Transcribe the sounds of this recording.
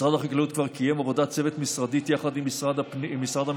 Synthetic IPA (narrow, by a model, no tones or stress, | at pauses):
ʁad̪aχaklaut̪kvaʁkʰijemavo̞d̪at͡se̞vet̪misʁad̪it̪jaχad̪imisʁad̪mːisʁad̪ha